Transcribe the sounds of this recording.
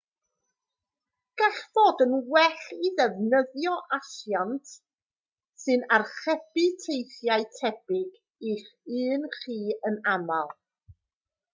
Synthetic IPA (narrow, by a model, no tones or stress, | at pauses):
ɡ̥ɛɬv̥oːdənwɛɬiðɛvnəðjɔʔasjantʰ | sɨnarχɛb̥ɨtʰejθjaɨtʰɛb̥ɪɡ | iχɨːnχiːənamalˠ